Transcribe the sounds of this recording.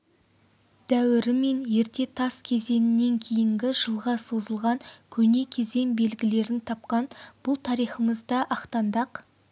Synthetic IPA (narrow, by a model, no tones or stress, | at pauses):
d̪̥æwɪɾɪme̞nje̞ɾt̪e̞t̪ʰɑskʲʰe̞ze̞nɪnːe̞ŋkʲʰe̞jɪŋɡʲɪʒəlˠʁɑso̞zəlˠʁɑŋkʲʰɵne̞kʲʰe̞ze̞nbe̞lɡʲɪle̞ɾɪnt̪ʰɑp̚qɑnb̥ʊlˠt̪ʰɑɾijχəməzd̪ɑʔɑqt̪ɑnd̪ɑq